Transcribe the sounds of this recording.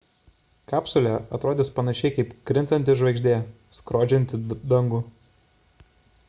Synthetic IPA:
kɑːpsʊlʲɛɐt̪ɾoːd̪ʲɪspɐnɐʃʲɛɪkɐɪpkɾʲɪnt̪ɐnʲt̪ʲɪʒʋɐɪɡʒʲd̪ʲeː | skɾoːd͡ʒʲɛnʲt̪ʲɪd̪ɐŋɡʊ

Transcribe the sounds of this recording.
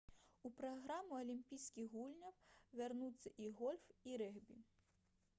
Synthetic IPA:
upɾɔɣɾɑmʊɔlʲimpʲijsʲkʲiɣɦulʲnʲɐwʋernut̪t͡sʲːɐʔiɣɔlʲfiɾɛɣbʲi

